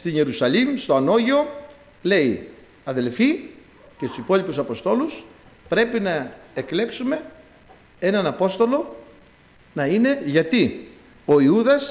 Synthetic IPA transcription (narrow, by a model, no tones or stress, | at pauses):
st̪iɲe̞ɾusɐlimst̪o̞ɐno̞ʝeo̞ | le̞i | ɐðe̞lfi | cest̪u̥sipo̞lipusɐpo̞st̪o̞lus | pɾe̞pinɐekle̞ksume̞ | e̞nɐnɐpo̞st̪o̞lo̞ | nɐine̞ʝɐt̪i | o̞iuðɐs